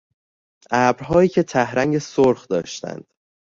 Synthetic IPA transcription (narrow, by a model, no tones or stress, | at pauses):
ʔæːbɾɦɒːjiːcʰe̞t̪ʰæhɾæŋɟesoɾxd̪ɒ̰ːʃt̪æ̰nd̪̥